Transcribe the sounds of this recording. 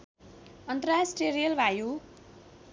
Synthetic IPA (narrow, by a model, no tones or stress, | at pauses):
ʌnt̪ʌrasʈrijʌɾijʌlbʱaju